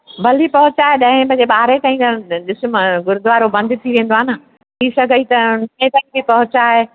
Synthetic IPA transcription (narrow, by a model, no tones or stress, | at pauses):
bʱɐlipɐɦʊt͡ɕaːɦeɗɐ̃ɦɪ̃pɐ̃d͡ʑeɓaːɾet̪ãːɦĩd͡ʑaɗɪsmɡʊɾd̪ʊʋaːɾobɐ̃nd̪ʱɪt̪ʰiʋẽːnd̪oaːna | t̪ʰisɐɡʱəit̪ɐnẽt̪aːĩbɪpɐɦʊt͡ɕaːɦe